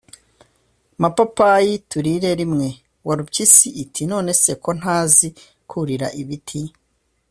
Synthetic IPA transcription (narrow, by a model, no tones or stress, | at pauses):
mapapajituɾiɾe̞ɾimŋe̞ | waɾubcisiːtʰino̞ːne̞se̞ko̞n̥haːzi | kʰuɾiɾa̰ʔiβitʰi